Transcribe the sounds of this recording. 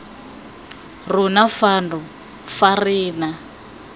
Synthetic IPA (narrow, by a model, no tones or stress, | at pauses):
runafandʱɔ | fariːna